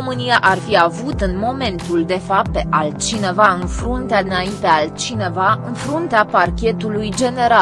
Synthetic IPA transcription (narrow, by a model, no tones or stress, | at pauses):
omɨnijaʔarfiavut̪ɨnmo̞me̞nt̪uld̪e̞fapp̪eʔalt͡ʃine̞vaɨnfɾunt̪ead̪ɨnaint̪ealt͡ʃine̞vaɨnfɾunt̪eaparkʲe̞t̪ulujd͡ʒe̞ne̞ɾa